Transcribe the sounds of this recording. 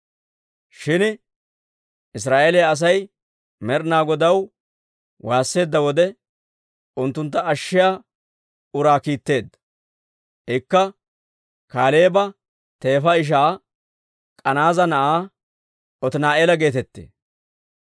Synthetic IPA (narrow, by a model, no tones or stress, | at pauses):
ʃɪn | ɪs̬ɾaːʔeːlɛjaɐs̬ɐj | mɛɾnaːɡɔd̪ɐw | waːsːe̞ːd̪ːɐwɔd̪ɛ | ʔʊnt̪ːʊnt̪ːɐɐʃːɪjaː | ʊɾaːkiːt̪ːe̞ːd̪ɐ | ɪkːɐ | kaːle̞ːbɐ | t̪e̞ːfɐɪʃ̬aː | kʼɐnaːzɐnɐʔaː | ɔt̪ɪnaːʔeːlɐɡe̞ːt̪ɛt̪ːḛː